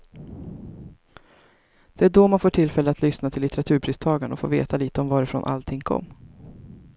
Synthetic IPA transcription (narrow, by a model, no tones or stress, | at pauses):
d̪̥ɛæɖɔmanfoːʈʰɪlfɛlːəat̪lʏsnat̪ʰɪlːɪt̪ɛɾat̪ʰʉ̟ːɾpʰɾiːst̪ʰɑːɡaɳəɔfo̰ːvḛːt̪aliːt̪əɔmvɑːɾɪfɾɔ̰nʔa̰lt̪ʰɪŋːkʰɔ̰mː